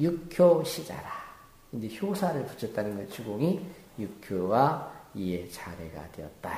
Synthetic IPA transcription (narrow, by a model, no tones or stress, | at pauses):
jukʰjoɕʰid͡ʑa̰ɾa | ind͡ʑe̞çjosʰaɾɯɭpu̥t͡ɕʰʌt̚t͈anɯnɡʌt͡ɕuɡoŋi | jukʰjoɡaie̞t͡ɕaɾe̞ɡa̰de̞̰ʌ̰t̚t͈a